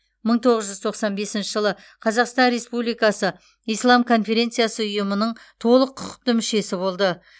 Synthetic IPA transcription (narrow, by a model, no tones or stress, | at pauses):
məɴt̪ʰo̞ʁəzʒʏzt̪ʰo̞qsɑnbe̞sɪnʃɪʒəlˠə | qʰɑzɑqst̪ɑnɾe̞spublijkɑsə | ijslˠɑmkʰo̞nfe̞ɾʲe̞nt̪sɨjasəʊjəmənəɴt̪ʰo̞lˠəqʰːʊqə̥q̚t̪əmʏʃe̞sɪbo̞lˠd̪ə